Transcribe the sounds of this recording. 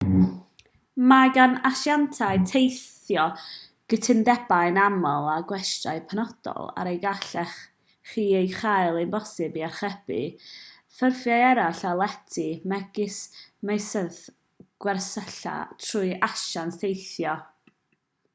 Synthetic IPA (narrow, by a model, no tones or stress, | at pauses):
maɡanaʃjantʰaɨtʰejθ | jɔ | ɡ̥ətʰɪndɛbajnamɔlˠaɡwɛstraɨpʰanɔd̥ɔ̰lˠa̰ɾejɡaɬɛχ | χiːejχajlˠenbɔsɪbiarχɛbɨ̰ | fərfjaɛɾaɬalˠɛtʰimɛɡ̥ɪsmejsəð | ɡ̥wɛrsəɬa̰tʰrʊɨʔaʃansejθjɔ